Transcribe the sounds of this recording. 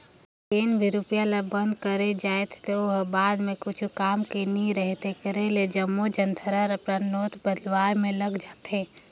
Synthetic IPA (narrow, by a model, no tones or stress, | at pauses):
peːnbʱiɾupijalabə̃nd̪kəɾed͡ʒaːet̪ʰt̪ooɦbaːd̪mẽkʊt͡ʃʰukaːmkiniɾəɦt̪ekəɾeled͡ʒəmːod͡ʒənt̪ʰəɾaɾəpɾənoːt̪ʰbəd̪ʋaːɾmẽləɡd͡ʒaːt̪ɦẽː